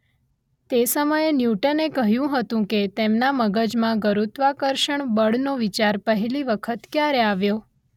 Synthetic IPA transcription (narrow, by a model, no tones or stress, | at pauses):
t̪esəməjenjuʈənekəɦjũɦət̪ũket̪emnaməɡəd͡ʒmãɡəɾut̪ʋakəɾʃəɳbəɽnoʋit͡ʃaɾpəɦɛliʋəkʰət̪kjaɾeaʋjo